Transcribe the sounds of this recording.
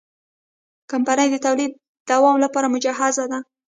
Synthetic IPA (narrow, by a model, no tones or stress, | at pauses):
kampanəjd̪ət̪awlid̪̚ːawɑmlapɑɾamʊd͡ʒaɦazad̪a